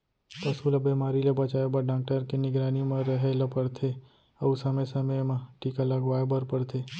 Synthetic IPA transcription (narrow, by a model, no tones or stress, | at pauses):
t̪ɐsulɐbimaːɾilebɐt͡ʃaːebɐɾɖãːk̚ʈəɾkenɪɡɾaːnimẽɾəɦelɐpəɽt̪ʰe | ɐsɐmesɐməmãʈiːkalɐɡʋaːebɐɾpəɽt̪ʰeː